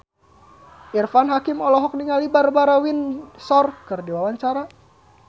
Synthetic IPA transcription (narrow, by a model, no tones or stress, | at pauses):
ʔirfanɦakimɔlɔɦɔk̚niŋalibarbaɾawinsɔrkɨrdiwawaɲt͡ʃaɾa